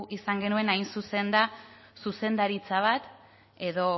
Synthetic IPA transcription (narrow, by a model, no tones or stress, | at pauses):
ʔisaŋɡe̞nue̞najnsuse̞nd̪a | suse̞nd̪aɾit͡saβ̞at̪ | e̞ðo̞